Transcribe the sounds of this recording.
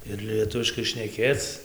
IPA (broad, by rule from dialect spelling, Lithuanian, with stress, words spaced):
ɪr lʲiɛˈtʊʋʲɪʃkɐɪ ʃʲnʲɛˈkʲeːt͡s